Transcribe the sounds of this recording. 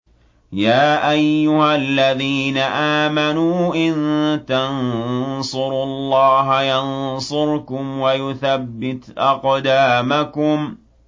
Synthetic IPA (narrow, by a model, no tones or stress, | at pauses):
jaːʔajːʊhalːaðiːnaʔaːmanuːʔɪnt̪ansˤʊɾʊlˤːɑːɦajɑnsˤʊɾkʊmwajʊθabːɪt̪ʔɑqd̪aːmakʊm